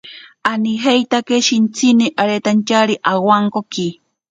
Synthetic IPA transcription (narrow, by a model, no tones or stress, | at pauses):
aniɦejt̪akeʃint͡sʰiniʔaɾet̪ant͡ʃaɾiʔawaŋkoki